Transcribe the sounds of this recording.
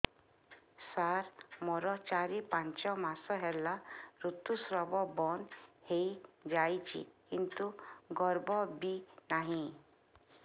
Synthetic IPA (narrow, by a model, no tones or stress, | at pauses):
saɾmɔɾɔt͡ʃaɾipãnt͡ʃɔmasɔɦelaɾut̪ːusɾɔbɔbɔnhejd͡ʒajt͡ʃʰḭkint̪uɡɔɾbɔbinaɦĩ